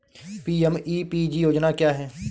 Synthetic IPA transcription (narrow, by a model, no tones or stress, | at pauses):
piːɛmiːpiːd͡ʒijoːd͡ʒnakjaːɦɛː